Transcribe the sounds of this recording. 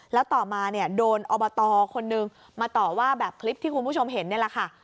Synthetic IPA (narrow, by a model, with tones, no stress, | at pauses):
lɛː˦˥wt̪ɔː˨˩maː˧ni˥˩ɐdoː˧nʔɔː˧bɔ˧t̪ɔː˧kʰo˧nːɯ˧ŋ | maː˧t̪ɔː˨˩waː˥˩bɛː˨˩p̚kʰli˦˥p̚t̪ʰiː˥˩kʰu˧npʰuː˥˩t͡ɕʰo˧mɦe˩˦nːi˥˩ɐla˩kʰa˥˩